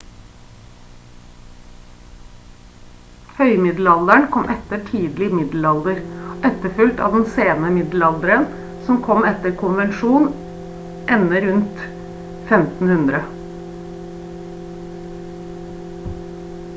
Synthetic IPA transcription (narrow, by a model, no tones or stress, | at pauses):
hœʏmɪd̪l̩ɑld̪əɳkʰɔmʔɛt̪əʈʰiːd̪lɪmɪd̪l̩ɑld̪əɾʔɛt̪ːəɾfʉlt̪ɑ̰ːʋd̪ɛnseːnəmɪd̪l̩ɑld̪əɾən | sɔmkʰɔmɛt̪əɾkʰʊnʋɛnʃuːn | ʔɛnːəɾʉnt̪ | fɛmt̪n̩hʉnd̪ɾə